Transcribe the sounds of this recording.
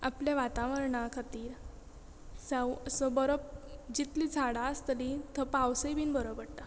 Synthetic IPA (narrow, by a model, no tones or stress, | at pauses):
apljaʋat̪aʋəɾɳakʰat̪iːɾ | sawəsəbəɾəp̚d͡ʑit̪lid͡zʱaɽast̪əlit̪əpawsəjbiːnbəɾəbəɽt̪a